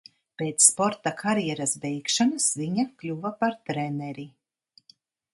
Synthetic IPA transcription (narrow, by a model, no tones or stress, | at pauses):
peːt̪sspɔɾt̪akʰaɾjɛɾasbɛjkʃanɨsviɲaklʲuvapaɾt̪ɾɛnɛɾi